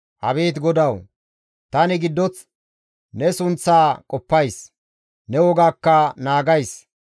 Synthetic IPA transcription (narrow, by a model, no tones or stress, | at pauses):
hɐ̰be̞ːt̪ɡɔd̪ɐw | t̪ɐnɪɡɪd̪ːɔt͡s | nɛsʊnt͡sːaːkʼɔpːɐjs | nɛwɔɡaːkːɐnaːɡɐjs